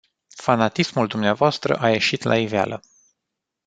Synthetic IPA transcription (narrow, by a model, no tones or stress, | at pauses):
fanat̪ismuld̪umneavoast̪ɾə̰ʔaje̞ʃit̪la̰ivea̰lʔə